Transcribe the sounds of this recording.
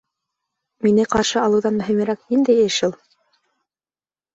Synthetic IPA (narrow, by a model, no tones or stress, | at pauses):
minɘqɑɾʃɤɑlˠɤ̆wðɑnmɵ̆ɦimɘ̆ɾæknind̪æjeʃɤlˠ